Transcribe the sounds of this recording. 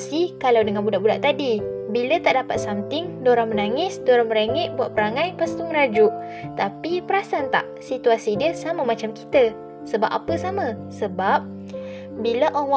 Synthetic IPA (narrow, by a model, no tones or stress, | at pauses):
sikalawdəŋanbudaʔbuda̰ʔt̪adibilət̪aʔdapat̪̚samt̪ɪŋdoɾaŋmənaŋɪsdoɾaŋməɾaŋɛʔ̪̚buat̪ʔ̚pəɾaŋãjpast̪uməɾad͡ʒuʔ | t̪apipəɾasant̪a̰ʔsit̪uasidiəsamãmãt͡ʃamkit̪ə | səba̰p̚a̰pəsamãsəbap̚ | bilaʔoaŋwa